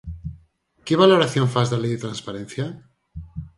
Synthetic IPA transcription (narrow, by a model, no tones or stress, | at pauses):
keβ̞aloɾaθjoɱfazðalejðet̪ɾanspaɾenθja